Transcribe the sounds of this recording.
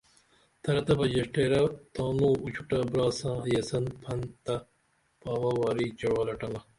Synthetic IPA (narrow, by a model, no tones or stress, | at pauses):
t̪ʰɐɾɐt̪ɐpɐd͡ʑɐʂʈeːɾɐt̪aːnuːut͡ɕʰuʈɐbɾaːsãːjɐsɐnpʰɐnt̪ɐ | paːʋɐwaːɾit͡ɕɐɽwalɐʈɐnɐ